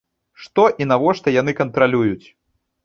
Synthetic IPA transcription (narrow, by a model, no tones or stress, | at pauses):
ʂt̪ɔʔin̪avɔʂt̪ɐjan̪ɨkɐnt̪ɾalʲujut͡sʲ